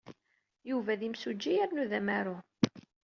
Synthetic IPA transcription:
juvæðimsud͡ʒːijaɾnuðæmæɾʊ

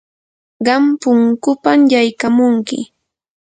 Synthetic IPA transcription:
ɢɑmpʊŋkʊpamjajkamʊŋkɪ̰

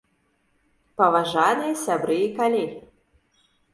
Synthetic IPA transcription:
pɐvaʐanɨjɛsʲabɾɨikalʲi

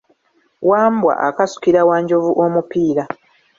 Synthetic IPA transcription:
waːmbwa̰ʔakasu̥kiɾawaːɲɟo̞vuʔomupiːɾa

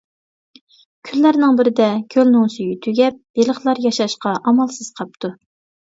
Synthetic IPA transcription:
kʲʰylːæɾnɪŋbɪɾɪd̪ɛkʲʰølnʊŋsyjyt̪ʰyɡʲɛp̚belˠəχlˠɑɾjɑʃɑʃqɑʔɑmɑlˠsɨz̥qʰɑp̚t̪ʰu

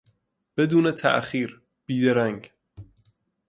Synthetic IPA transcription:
b̥ed̪uːnet̪ʰæ̰ʔxiːɾ | b̥iːd̪eɾæŋɡ

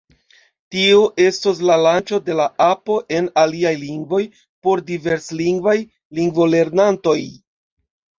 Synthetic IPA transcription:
tioʔe̞stos̬lalant͡ʃo̞de̞laʔapo̞ʔe̞naliajliŋɡvo̞j | po̞ɾdive̞ɾsliŋɡvaj | liŋɡvo̞le̞ɾnanto̞j

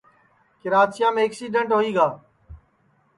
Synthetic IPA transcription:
kɪɾaːt͡ʃɪjãːmẽːəksiːɖəɳʈɦoːiːɡaː

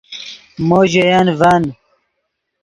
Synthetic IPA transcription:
moːʑejanvɐn

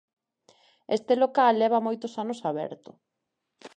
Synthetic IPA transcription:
est̪elokalːɛβ̞ɐmojt̪osanosaβɛ̰ɾt̪ʊ

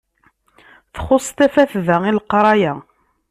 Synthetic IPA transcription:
θχʊsˤt̪æfæθðæilqɾˤɑjæ

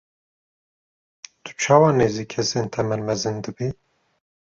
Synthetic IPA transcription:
t̪ʰu̥t͡ʃʰɑːwɑːneːziːkʰɛseːnt̪ʰɛmɛnmɛzɨnd̪ɨbi

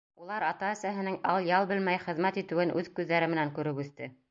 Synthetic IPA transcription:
ulˠɑɾɑt̪ɑæ̆sæɦɘ̆nɘŋɑlˠjɑlˠbɘlmæjχɘ̆ðmæt̪it̪ɘ̆wɘnʔʉðkʉðːæɾɘmɘ̆næŋkʉɾɘpʉθt̪ɘ

